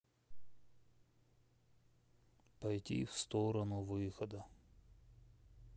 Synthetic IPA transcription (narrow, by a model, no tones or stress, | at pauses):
pɐjtʲḭfst̪oɾənʊvɨxəd̪ə